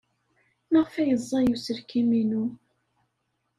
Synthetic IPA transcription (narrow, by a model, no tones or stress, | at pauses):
nəʁfæjəzˤːɑjusəɾkiminu